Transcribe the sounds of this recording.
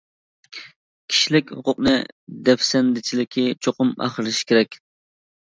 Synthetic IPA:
kʲʰi̥ʃilɪkʲhʊqʰʊq̚nɨ̰d̪ɛfsɛnd̪ɪt͡ʃʰilɪkʲʰit͡ʃʰoqʊmɑ̰χɾlɨʃkʲʰeɾɛkʲ

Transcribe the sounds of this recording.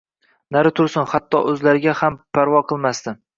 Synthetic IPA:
naɾɪt̪ʰʊɾsɪnhat̪ʰːɒʔɵzlaɾɪɡʲahampʰaɾvɒqʰɨlˠmast̪ɪ

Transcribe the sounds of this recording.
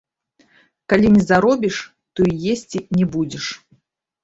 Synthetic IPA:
kalʲinʲɛzaɾɔbʲiʂ | t̪ɔijesʲt͡sʲinʲɛbud͡zʲɛʂ

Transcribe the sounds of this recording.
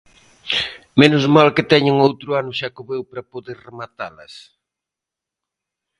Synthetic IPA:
menʊzmalkɪt̪ɛɲɪŋowt̪ɾʊanʊʃakoβewpɾɐpoðeɾremat̪alɐs

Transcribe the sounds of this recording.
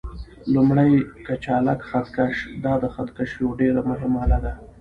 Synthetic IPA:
lumɽajkat͡ʃɑlakxat̪kaʂd̪ɑd̪əxat̪kaʃjowɖeɾamʊɦɪmalad̪a

